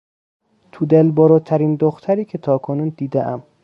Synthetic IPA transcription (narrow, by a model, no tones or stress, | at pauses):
t̪ʰud̪elbɒːɾɒːt̪ʰæɾiːnd̪oxt̪ʰæɾiːkʰet̪ʰɒːkʰonuːnd̪iːd̪eʔæm